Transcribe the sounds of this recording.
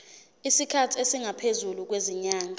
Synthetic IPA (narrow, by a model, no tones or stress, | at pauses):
isikʰatʰiesiŋapʰezuluk̬weziɲaːŋʱa